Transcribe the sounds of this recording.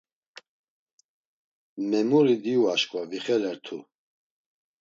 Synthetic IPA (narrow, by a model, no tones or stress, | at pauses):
mɛmuɾid̪iuaʃkʼvaviχɛlɛɾt̪ʰṵ